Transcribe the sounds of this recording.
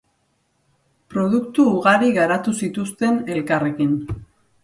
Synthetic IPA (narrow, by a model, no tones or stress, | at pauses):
pɾo̞ð̞ukt̪uːɣaɾiɣaɾat̪usit̪ust̪e̞ne̞lkare̞kin